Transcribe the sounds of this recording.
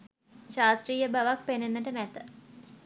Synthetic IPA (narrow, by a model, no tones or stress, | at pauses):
ʃaːsʈriːjəbaʋak̚penenːəʈənɛt̪ə̥